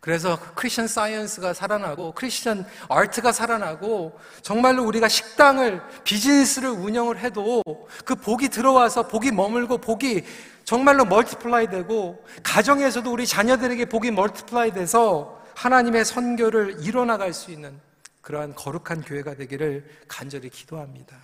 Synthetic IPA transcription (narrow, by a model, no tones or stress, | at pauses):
kɯɾe̞s̬ʰʌkʰɯɾisʰt͡ɕʰʌns͈ajʌnsʰɯɡasʰaɾanɦaɡokʰɯɾiɕʰt͡ɕʰʌnaɭtʰɯɡasʰaɾanaɡo | t͡ɕʌŋmaɭːouɾiɡaɕʰi̥k̚t͈aŋɯɭpid͡ʑinis͈ʰɯɾɯɾuɲʌŋɯɭɦe̞dokɯpoɡitɯɾʌwasʰʌpoɡimʌmɯɭɡopoɡi | t͡ɕʌŋmaɭːomʌɭtʰi̥pʰɯɭaidwe̞ɡo | kad͡ʑʌŋe̞sʰʌdouɾit͡ɕaɲʌdɯɾe̞ɡe̞poɡimʌɭtʰi̥pʰɯɭaide̞sʰʌhanaɲime̞sʰʌnɡjʌɾɯɭiɾʌnaɡaɭs͈uinːɯn | kɯɾʌɦankʌɾukʰankjoɦe̞ɡadwe̞ɡiɾɯɭkand͡ʑʌɾiki̥d̥oɦamɲid̥a